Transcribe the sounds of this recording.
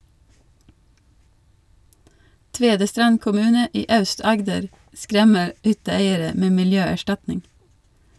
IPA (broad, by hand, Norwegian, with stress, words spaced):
ˈtʋeːdəstɾɑn kʊˈmʉːnə ˈiː ˈɑʉˌstɑɡdəɾ ˈskɾɛmə ˈhʏtəˌeɪəɾə ˈmeː mɪlˈjøːæˌʃtɑtnɪŋ